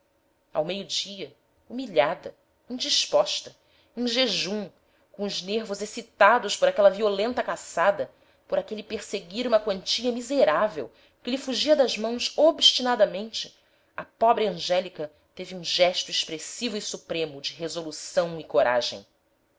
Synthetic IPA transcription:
a̰wmejʊd͡ʒiɐ | umiʎad̪ɐ | ĩd͡ʒiʃpɔʃt̪ɐ | ẽʒeʒũm | kõʊzneɾvʊzesit̪ad̪ʊspoɾakɛlɐviolẽnt̪ɐkasad̪ɐ | poɾakelipeɾseɡiɾũmɐkwɐ̃nt͡ʃiɐmizeɾavḛw | kɪlɪfuʒiɐd̪ɐʒmɐ̃w̃sobʃt͡ʃinad̪ɐmẽnt͡ʃɪ | ɐpɔbɾɪɐ̃ʒɛlikɐ | t̪eviũʒɛʃt̪ʊeʃpɾesivʊisupɾẽmʊd͡ʒɪɦezolusɐ̃w̃ɪkoɾa̰ʒḛ̃j̃

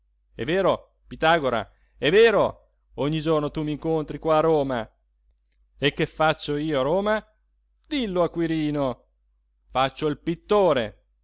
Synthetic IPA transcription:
ɛ̰vːeːɾo | pit̪aːɡoɾa̰ | ɛvːeːɾo | oɲːid͡ʒornot̪umiŋkont̪ɾikwaːɾroːma | ekːefat͡ʃːoiːoaɾoːma | d̪ilːoakːwiɾiːno | fat͡ʃːoilpit̪ːoːɾḛ

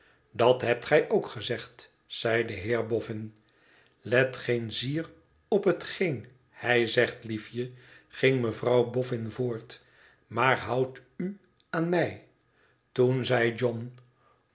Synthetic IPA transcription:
dɑtɦɛp̚tχɛjʔowkχəzɛχt | sɛjdəɦɪːɹbɔfɪn | lɛtχejnziːr | ɔpɦətχejn | hɛjzɛχtlifjəχɪŋməvrɑwbɔfɪnvʊːɹt | maːɹɦɑwty | aːnmɛj | tunzɛjd͡ʒɔn

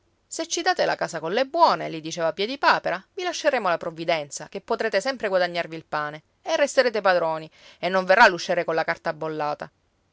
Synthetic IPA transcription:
set͡ʃːid̪aːt̪elakaːsakonlebːwɔːnelid̪it͡ʃeːvapjɛd̪ipaːpeɾavilaʃːeɾeːmolapɾovːid̪ɛnt̪sakepːot̪ɾeːt̪esɛmpɾeɡwad̪aɲːarviːlpaːne | erːest̪eɾeːt̪epad̪ɾoːnienːoɱverːalːuʃːeːɾekonlakart̪aːbːolːaːt̪a

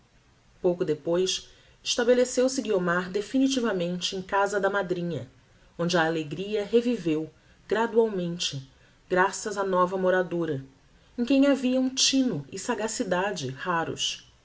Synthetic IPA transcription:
powkʊd̪epojs | ɪʃt̪abelesewsɪɡiomaɾd̪efinit͡ʃivɐmẽnt͡ʃɪẽj̃kazɐd̪ɐmad̪ɾĩɲɐ | õnd͡ʒɪɐːleɡɾiɐɦevivew | ɡɾad̪uawmẽnt͡ʃɪ | ɡ̥ɾasɐzanɔvɐmoɾad̪oɾɐ | ẽkẽj̃aviɐũt͡ʃĩnʊɪsaɡasid̪ad͡ʒɪhaɾʊ̰s

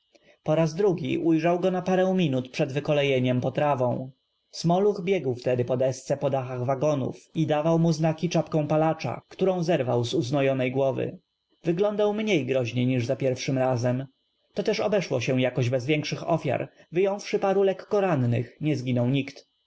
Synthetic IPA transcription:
pɔɾazd̪ɾuɡʲḭʔujʐawɡɔnapaɾɛ̃w̃mʲinut̪pʂɛd̪vɘkɔlɛjeɲɛmpɔt̪ɾavɔ̃w̃ | smɔluxbʲjɛɡwft̪ɛd̪ɘpɔd̪ɛst̪sɛpɔd̪axaɣvaɡɔnṵfid̪avawmuznakʲit͡ʂapkɔ̃w̃palat͡ʂa̰kt̪uɾɔ̃w̃zɛɾvawzuznɔjɔnɛjɡwɔvɘ̰ | vɘɡlɔnd̪awmɲejɡɾɔʑɲejɲiʐzapʲjɛɾfʂɘmɾazɛm | t̪ɔt̪ɛʂɔbɛʂwɔɕɛ̃jakɔʑbɛzvʲjɛŋkʂɘxɔ̰fʲja̰ɾvɘjɔ̃w̃fʂɘpaɾulɛkːɔɾannɘxɲɛzɡʲinɔwɲikt̪

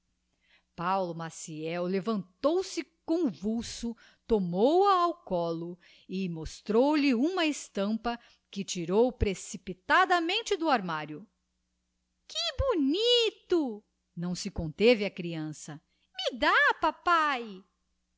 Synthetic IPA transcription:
pawlʊmasiɛwlevɐ̃nt̪owsɪkõvuwsʊ | t̪omowɐːwkɔlʊ | ɪmost̪ɾowlɪũmɐɪst̪ɐ̃mpɐ | kɪt͡ʃiɾowpɾesipit̪ad̪ɐmẽnt͡ʃɪd̪ʊaɾmaɾjʊ | kɪbunit̪ʊ | nɐ̃w̃sɪkõnt̪evɪɐkɾiɐ̃sɐ | mɪd̪apapaj

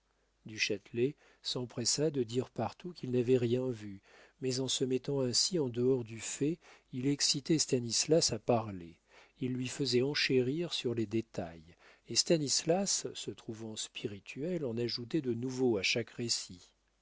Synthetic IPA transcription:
d̪yʃat̪lɛ | sɑ̃pχesad̪əd̪iʁpaʁt̪ukʲilnavɛʁjɛ̃vy | mɛzɑ̃səmɛt̪ɑ̃ɛ̃siɑ̃d̪əɔʁd̪yfɛilɛksit̪ɛst̪anislasapaʁle | ilːɥifəzɛɑ̃ʃeʁiʁsyʁled̪et̪a̰j | est̪anislasːət̪χuvɑ̃spʰiʁit̪ʰyɛlɑ̃naʒut̪ɛd̪ənuvoaʃakʁesi

